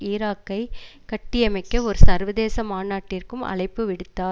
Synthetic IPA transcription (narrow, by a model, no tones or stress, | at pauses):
iːɾaːkːɐɪkɐʈːɪjɐmɐɪkːɐɔɾɯsɐɾʋɐðeːsɐmaːnaːʈːɪrkɯmʔɐ̰ɭɐɪpːɯʋɪɽɯt̪ːaːɾ